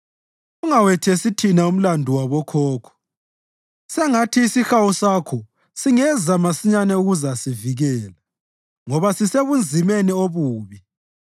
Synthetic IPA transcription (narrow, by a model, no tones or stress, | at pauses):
uŋawɛtʰɛsitʰinaum̩landʱuwaβɔkʰɔːkʰɔ̥ | sɛŋatʰiːsixawusaːkʰɔ | siŋɛzamasiɲanɛuɣuzasiviɣɛːla | ŋɔβasiseβund͡zʱimenioβuːβi